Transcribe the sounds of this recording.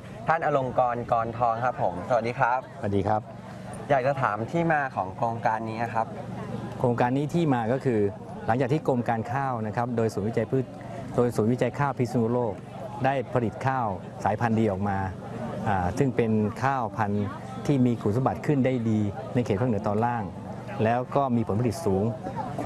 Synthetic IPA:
t̪ʰaː˥˩nʔa˧lo˧ŋkɔː˧nkɔː˧nt̪ʰɔː˧ŋkʰa˦˥pʰːo˩˦msa˧wa˨˩diː˧kʰɾa˦˥p̚sa˧wa˩diː˧kʰɾa˦˥p̚ | jaː˨˩k̚t͡ɕa˧t̪ʰaː˩˦mt̪ʰiː˥˩maː˧kʰɔː˩˦ŋkʰɾoː˧ŋkaː˧nːiː˦˥na˧kʰa˦˥p̚kʰɾoː˧ŋkaː˧nːiː˦˥t̪ʰiː˥˩maː˧kɔː˥˩kʰɯː˧ | la˩˦ŋt͡ɕaː˨˩k̪̚ʰiː˥˩ko˧mkaː˧nkʰaː˥˩wna˦˥kʰa˦˥p̚doː˧jsu˨˩˦nwi˦˥t͡ɕa˧jpʰɯː˥˩t̪̚ | doː˧jsuː˨˦nwi˦˥˩t͡ɕa˧jkʰaː˥˩wpʰi˦˥t̪sa˧nu˧loː˥˩k̚ | daː˥˩jpʰa˧li˨˩t̪̚kʰaː˥˩w | saː˩˦jpʰa˧ndiː˧ʔɔː˨˩k̚maː˧ | ʔaː˨˩sɯ˥˩ŋpe˧nkʰaː˥˩wpʰa˧n | t̪ʰiː˥˩miː˧kʰuː˨˩nsa˧˦ba˨˩t̪̚kʰɯ˥˩ndaː˥˩jdiː˧na˧jkʰe˨˩a˥˩˨nɯ˩˦ət̪ɔː˧nlaː˥˩ŋ | lɛː˦˥wkɔː˥˩miː˧pʰo˨˩˦npʰa˧li˨˩t̪̚suː˩˦ŋ

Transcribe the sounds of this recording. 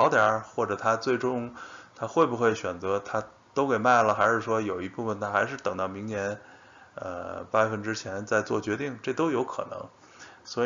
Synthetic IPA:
ɑ˧˥t̪jɑ˞˨˩˥xwɔ˥˩ʈ͡ʂɤ˨˩t̪ʰa˥t͡swe˥˩ɪʈ͡ʂʊ˥ŋt̪ʰa˥xwe˥˩ɪbu˧xwe˥˩ɪɕɥɛ˨˩nt͡sɤ˧˥t̪ʰa˥ | t̪o˥ʊke˨˩ɪma˥˩ɪlə˩xa˧˥ɪʂɻ̩˥˩ʂwɔ˥jo˨˩ʊi˧˥pu˥˩fə˩nt̪ʰa˥xa˧˥ɪʂɻ̩˥˩t̪ɤ˨˩ŋt̪ɑ˥˩ʊmi˧˥ŋnjɛ˧˥n | ə̰˧pa˥˩fə˥˩nʈ͡ʂɻ̩˥t͡ɕʰjɛ˧˥nt͡sa˥˧ɪt͡swɔ˥˩t͡ɕɥɛ˧˥t̪i˥˩ŋʈ͡ʂɤ˥˧˩t̪o˥ʊjo˧˥ʊkʰɤ̰˨˩nɤ̰˧˥ŋ | swɔ˧˥˧

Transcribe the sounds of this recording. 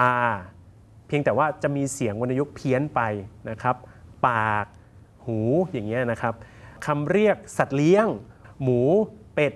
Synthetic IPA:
ʔaː˧ | pʰi˧ŋt̪ɛː˨˩waː˥˩t͡ɕa˨˩miː˧si˨˩˦əŋwa˧nːʔa˧jo˦˥k̚pʰi˧˥ənpa˧jna˦˥kʰa˦˥p̚paː˨˩k̚ | huː˩˦jaː˨˩ŋːi˦˥ɐna˦˥kʰa˦˥p̚ | kʰːa˧mɾi˥˩ək̚sa˨˩t̪̚li˦˥əŋmuː˩˦pe˨˩t̪̚

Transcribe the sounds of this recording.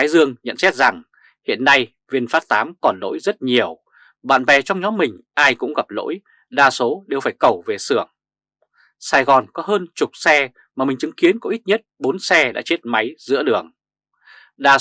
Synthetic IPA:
aː˨˦jzɨ˧əŋɲə̰˧˨nsɛ˦˥t̚za˨˩ŋ | hḭ˧˨ənːa˧j | vi˧˩ənfaː˦˥t̚t̪aː˨˦mkɔ˨˩nlo̰˧˥jzə˦˥t̚ɲi˨˩əw | ɓa̰ː˧˨nvɛ˨˩t͡ɕɔ˧wŋ͡mɲɔ˨˦mːï˨˩ŋ̟ʔaː˧jkʊ̰˧˥ŋ͡mɣa˨˩p̚lo̰˧˥j | ɗaː˨˩so˨˦ɗe˨˩wfaː˧˩jkə˧˩wve˨˩sɨ˧˩əŋ | saː˧jɣɔ˨˩nkɔ˨˦ɦəː˧nt͡ɕʊ˨˩k͡p̚sɛ˧ | maː˨˩mï˨˩ŋ̟t͡ɕɨ˨˦ŋki˨˦ənkɔ˨˦ʔi˦˥t̚ɲə˦˥t̚ɓo˨˦nsɛ˧ɗa̰ː˧˥t͡ɕe˦˥t̚ma˨˦jzɨ̰˧˥əɗɨ˨˩əŋ | ɗaː˨˩

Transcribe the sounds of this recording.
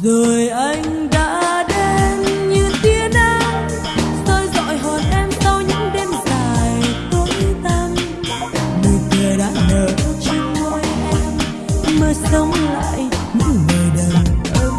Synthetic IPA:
zo˨˩jʔa˧jŋ | ɗa̰ː˧˥ɗe˧nɲɨ˨˧˩nt̪i˧əɗaː˧˦ | t̪o˧jzɔ̰˧˨jɦɔ˨˩nʔɛ˧msa˧wɲɨ̰˧˥ŋɗe˧nt̪aː˨˩jjt̪o˧˦t̪a˧ŋ | mɨ˨˩t̪ʰəː˨˩ɗa̰ː˧˥məː˨˩kɔ˧t͡ɕi˧ŋːwə˨˧˦jʔɛ˧m | məː˧˩sə˨˦wŋ͡mla̰ː˧˨jɲɨ̰˧˥ŋvəː˨˩jɗə˨˩wʔ

